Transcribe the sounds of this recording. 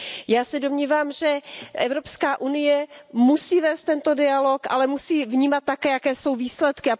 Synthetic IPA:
jaːsɛdo̞mɲiːvaːmʒɛʔɛvɾo̞pskaːʔunɪjɛmusiːvɛːst̪ɛnt̪o̞dɪalo̞kʔa̰lɛmusiːvɲiːmat̪̚ːakɛːjakɛːso̞wviːslɛt̪kɪa

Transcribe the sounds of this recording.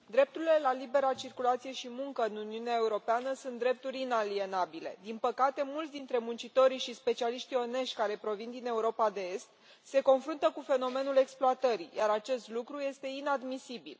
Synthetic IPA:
d̪ɾe̞p̚t̪uɾile̞lalibe̞ɾat͡ʃirkulat̪sije̞ʃimuŋkəɨnuniuneae̞uɾo̞peanəsunt̪d̪ɾe̞p̚t̪uɾʲinalie̞nabile̞̰d̪inpəkat̪e̞mult̪ʲd̪int̪ɾe̞munt͡ʃit̪o̞ɾiʃispe̞t͡ʃialiʃt̪io̞ne̞ʃtʲkaɾe̞pɾo̞vind̪ine̞uɾopad̪e̞e̞st̪̚ | se̞ko̞nfɾunt̪əkufe̞no̞me̞nule̞ksploat̪əɾijʔaɾat͡ʃe̞st̪lukɾuje̞st̪e̞inad̪misibḭl

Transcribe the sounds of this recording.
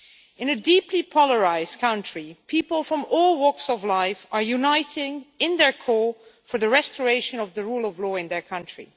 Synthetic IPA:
ɨ̃nɨdipʰlipʰɔlˠəɹaɪzkʰʌ̃ʊ̃ntɹ̥ipʰipəl̩ˠfɹʌ̃mɔlˠwɜ˞ksʌvlaɪfəɹjunaɪɾɪ̃ŋɪ̃nðə˞kʰɔɹfə˞ðɨɹɛstəɹeɪʃɨ̃nʌvðəɹulˠʌvlɔːɪ̃nðə˞kʰʌ̃ntɹ̥ḭ

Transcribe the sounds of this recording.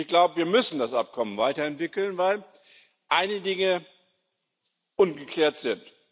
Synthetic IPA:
çɡ̥laʊbəviːɐmʏsn̩dasʔa̰p̚kʰɔmənvaɪtɐɛntv̥ɪkl̩nvaɪl | ʔaɪnədɪŋə | ʔʊnɡəkl̥ɛːɐtz̥ɪnt

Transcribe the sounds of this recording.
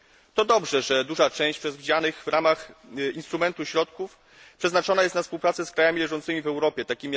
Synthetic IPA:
t̪ɔd̪ɔbʐɛʐɛd̪uʐat͡ʂɛ̃w̃ɕt͡ɕpʂɛzvʲid͡ʑanɘɣvɾamaxinst̪ɾumɛnt̪uɕɾɔt̪kuf | pʂɛznat͡ʂɔnajɛst̪nafspuwpɾat̪sɛskɾajamʲilɛʐɔnt̪sɘmʲivɛwɾɔpʲjɛt̪akʲimʲi

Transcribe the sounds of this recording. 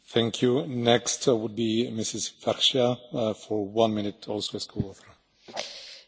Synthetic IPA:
θæ̃ŋkʰjunɛkstwʊd̚bimɪsɪsvɛʃafɔwãnmɪ̃nɪtʰɔlˠsoɨskʰuofə

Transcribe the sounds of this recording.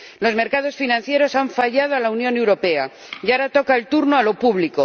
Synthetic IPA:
lo̞zme̞ɾkað̞o̞sfinãnθje̞ɾo̞saɱfaʎað̞oalaunjõ̞ne̞wɾo̞pe̞a | ʝaɾat̪o̞kaelt̪uɾno̞alo̞puβliko̞

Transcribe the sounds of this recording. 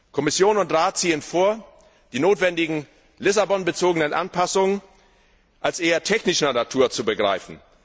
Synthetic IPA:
kʰɔmɪsjoːnʊntʁaːt̚t͡siːənfoːɐ | d̥iːnoːtv̥ɛndɪɡŋ̩ | lɪsabɔnbət͡soːɡənənʔa̰npʰasʊŋən | ʔalsʔeːɐtʰɛçnɪʃnɐnatʰuːɐt͡subəɡʁa̰ɪfn̩

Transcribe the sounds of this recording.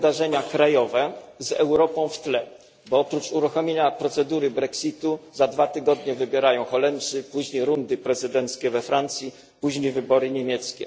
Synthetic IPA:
d̪aʐɛɲakɾajɔvɛzɛwɾɔpɔ̃w̃ft̪lɛ | bɔɔpɾut͡ʂuɾuxɔmʲjeɲapɾɔt̪sɛd̪uɾɘbɾɛksʲit̪uzad̪vat̪ɘɡɔd̪ɲɛvɘbʲjɛɾajɔ̃w̃xɔlɛmʂɘpuʑɲejɾund̪ɘpɾɛzɘd̪ɛnt̪skʲɛvɛfɾant̪sʲji | puʑɲejvɘbɔɾɘɲemʲjɛt̪skʲɛ̰

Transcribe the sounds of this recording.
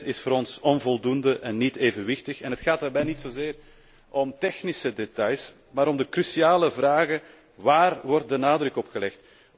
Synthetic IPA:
ɪsfʊːɾɔnsɔnvɔlˠdundəʔɛnːiteːvənʋɪxtəxɛnɦətxaːt̚daːrbɛjnitsozɪːr | ɔmtɛxnisədetɑjs | maːɾɔmdəkrysiaːləvraːɣə | ʋaːrwɔrt̚dənaːdrɵkɔpxəlɛxt

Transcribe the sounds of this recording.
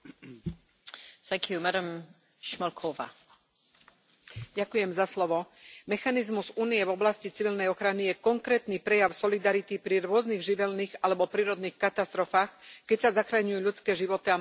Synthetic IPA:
θæ̃ŋkʰjumaɾə̃m | ʃmɔlkʰɔva̰ | ɟakujɛmzaslɔʋɔmɛxanizmuzuːnijɛvɔblascit͡siʋilnɛjɔxɾanijɛkɔŋkɾɛːt̪niːpɾɛjaʊsɔlid̪aɾit̪ipɾiɾʊɔzniɣʒiʋɛlniːɣalɛbɔpɾiːɾɔd̪niːxkat̪ast̪ɾɔfaːxkɛcsazaxɾaɲujuʎut͡skɛːʒiʋɔt̪ia

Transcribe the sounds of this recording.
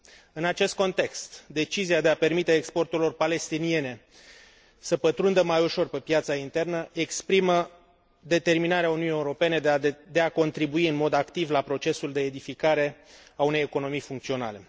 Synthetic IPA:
ɨnat͡ʃe̞st̪̚ko̞nt̪e̞kst̪d̪e̞t͡ʃiziad̪e̞ape̞rmit̪e̞ːkspo̞rt̪uɾilo̞rpale̞st̪inie̞ne̞ | səpət̪ɾund̪əmajuʃo̞rpe̞pjat̪saint̪e̞rnəe̞kspɾimə | d̪e̞t̪e̞rminaɾeaununiːeuɾo̞pe̞ne̞d̪d̪eako̞nt̪ɾibuiɨnmo̞d̪akt̪ivlapɾo̞t͡ʃe̞suld̪e̞ːd̪ifikaɾe̞aune̞jeko̞no̞mijfuŋk̚t̪sio̞na̰le̞

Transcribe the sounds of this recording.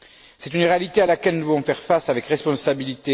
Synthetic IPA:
sɛt̪ynʁealit̪ealakɛlnuvuvɔ̃fɛʁfasavɛkʁɛspɔ̃sabilit̪e

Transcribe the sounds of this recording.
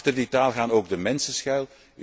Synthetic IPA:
tərditaːlˠɣaːnoːɡdəmɛnsəsxœɥlˠ

